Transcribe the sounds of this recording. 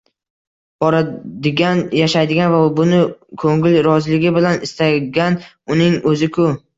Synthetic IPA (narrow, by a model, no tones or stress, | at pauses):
b̥ɒɾad̪ɪɡʲanjaʃajd̪ɪɡʲanvabʊnɪkʰɵŋɪlɾɒzlɪɡʲɪbɪlanɪst̪aɡʲan | ʊnɪŋɵzɪkʰʊ